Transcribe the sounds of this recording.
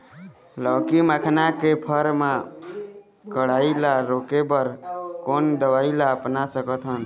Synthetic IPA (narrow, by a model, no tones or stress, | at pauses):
lɔːkiməkʰnakepʰəɾmã | kəɽaːilaɾoːkepəɾkoːnd̪əʋaːilaəpnasəkət̪ʰɦən